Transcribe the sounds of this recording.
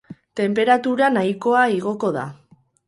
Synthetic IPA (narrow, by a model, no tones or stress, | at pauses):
t̪e̞mpe̞ɾat̪uɾanaiko̞aiɣ̞o̞ko̞ða̰